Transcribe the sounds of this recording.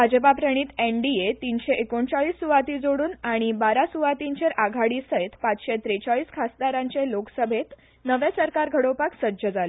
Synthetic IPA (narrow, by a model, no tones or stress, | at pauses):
bʱad͡ʑəpapɾəɽ̃iːt̪eɳɖiet̪inɕeʔekoɳt͡saɭiːsːuʋat̪iːd͡zoɽuːnaɽ̃ibaɾasuʋat̪iɲt͡ɕeɾʔaɡʱaɽiːsəɦet̪pat͡sɕet̪ɾet͡saɭiːskʰasd̪aɾãɲt͡seloksəbʱet̪ | nəʋesəɾkaɾɡʱəɽowpaksəd͡ʑəd͡zale